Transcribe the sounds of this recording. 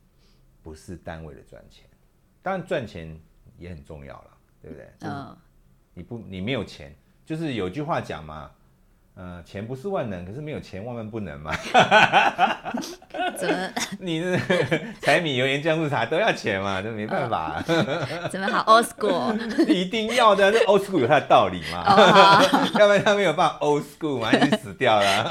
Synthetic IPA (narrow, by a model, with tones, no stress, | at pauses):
pu˧˦ʂɻ̩˥˨t̪a˦nwe˥˩ɪdə̰˨˩t͡swa̰˥˩nt͡ɕʰjɛ̰˧˦n | t̪ɑ˥ŋɻa˧˦nt͡swa˥˩nt͡ɕʰjɛ˨˦njɛ˨˦xə˨˩nt͡sʊ̰˥˧ŋjɑ̰˥˩ʊlə̰˩t̪we˥˩bu˨˩t̪ḛ˥˩ɪt͡ɕ | ni˨˩pu˧˩ni˨˩me˧˥ɪjo˨˩ʊt͡ɕʰjɛ̰˧˦n | t͡ɕjo˥˧ʊʂ̬ɻ̩˥˩˨jo˨ʊi˦t͡ɕy˥˧xwa˥˩t͡ɕjɑ̰˨˩ŋma̰˨˦ | ə˧t͡ɕʰjɛ˧˦npu˧˦ʂɻ̩˥˧wa˥˩nə˧˦ŋkʰə˨˩ʂɻ̩˥˩me˧˥ɪjo˨˩t͡ɕʰjɛ˨˦nwa˥˧nwa˥˧npu˥˩nə̰˧˦ŋma̰˨ | ni˨˩nə˥˩t͡sʰa˧˥ɪmi˨˩jo˧ʊjɛ˧˦nt͡ɕjɑ˥˧ŋs̩˥˩tʰa˧˥t̪o˥ʊjɑ˥˩ʊt͡ɕʰjɛ˨˧˦nma˧t͡ɕo˥˩˨me˧˥ɪpa˥˩nfa̰˨˩˦ə˨sku˥˨i˧˥t̪i˥˧ŋjɑ˥˩ʊd̪ə˨o˥˧o˥˦ʊsku˥˩jo˨˩t̪ʰa˥˩ə˨t̪ɑ˥˨˩ʊlḭ˨˩ma̰˦ | jpa˥˩t̪ʰa˥me˧˥jo˨ʊba˥˩a˨ʔo˦ʊsku˥˧˩ma˨˥i˥sɹ̩˨˩t̪jɑ˥˨˩ʊlə˩